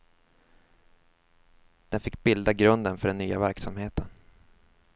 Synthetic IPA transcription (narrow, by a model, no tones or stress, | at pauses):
d̪̥ɛnfɪkːbɪld̪aɡɾɵnd̪ənfœɖɛnːyːavæɾksamheːt̪ʰən